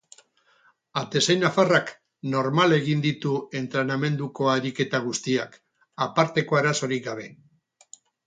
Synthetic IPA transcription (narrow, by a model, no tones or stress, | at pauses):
at̪e̞sajnafarak | no̞ɾmale̞ɣ̞ind̪it̪ue̞nt̪ɾe̞name̞nd̪uko̞aɾike̞t̪aɣ̞ust̪iak | apaɾt̪e̞ko̞eɾaso̞ɾikɡaβ̞e̞